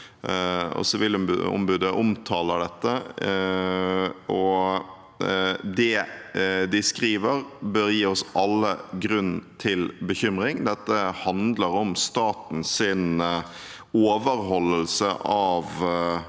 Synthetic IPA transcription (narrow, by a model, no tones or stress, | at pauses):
ɔ̰sɔʋɪlmb̰ʊ̰mbʉd̪əʔʊmt̪ʰɑːləɖɛt̪ːə | ʔɔ | d̪ɛ | d̪ɪskɾiːʋəɾbøɾjiːɔsʔɑlːəɡɾʉnːt̪ʰɪlbəçʏmɾɪŋd̪ɛt̪ːəhɑnd̪ləɾɔmst̪ɑːt̪n̩sɪn | oːʋəɾhɔlːəlsəʔɑʋ